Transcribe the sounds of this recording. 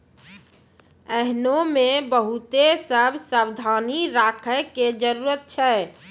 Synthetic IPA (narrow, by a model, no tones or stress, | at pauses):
ɛɦnomebəɦut̪esəbʱsabd̪ʱaniɾakʰəked͡ʒəɾuɾət̪̚t͡ʃʰɛ